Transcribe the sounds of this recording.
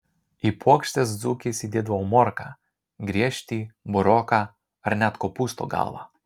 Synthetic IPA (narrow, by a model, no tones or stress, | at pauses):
ipʰɔkʃt̪ɛsd̪zukʲisid̪ʲɛd̪vawmɔɾka | ɡɾʲɛʃt̪ʲibɔɾɔka | rnʲat̪kɔpust̪ɔ̰ɡa̰lˠʋa̰